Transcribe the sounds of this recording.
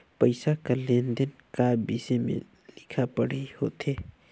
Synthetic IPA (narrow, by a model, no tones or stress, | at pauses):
pəɪsakaleːnd̪ənkaːbiːsemḛ̃ | lɪkʰapəɽeihoːt̪eː